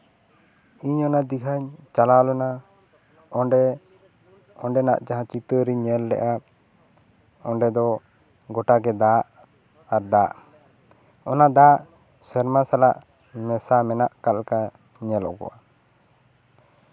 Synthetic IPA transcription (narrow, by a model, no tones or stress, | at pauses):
iɲɔnad̪ikaɲt͡ʃalalɔna | ɔɳɖɛ | ɔɳɖɛnaʔd͡ʒaɦãt͡ʃit̪əɾiɲɛlːɛ̰ʔa | ɔɳɖɛd̪ɔ | ɡɔʈaɡɛd̪aʔ | aɾd̪aʔ | ɔnad̪aʔ | sɛɾmasalaʔ | mɛsamɛnaʔkalka | ɲɛlɔ̰kɔ̰ʔa